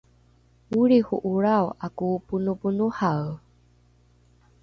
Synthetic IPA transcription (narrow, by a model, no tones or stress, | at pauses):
uɾixuʔuɾawakupunupunuhaw